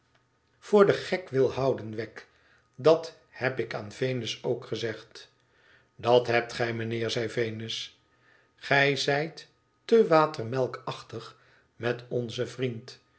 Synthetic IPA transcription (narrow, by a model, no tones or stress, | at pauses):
v̥ʊːɹdəχɛkʋɪlˠhɑwdənʋɛk | dɑt | hɛpɪkaːnvejnəsowkχəzɛχt | dɑtɦɛp̚tχɛjmənɪːɹzɛjvejnəs | χɛjzɛjtː | əʋaːtərmɛlˠkɑχtəχ | mɛtɔnzəvrint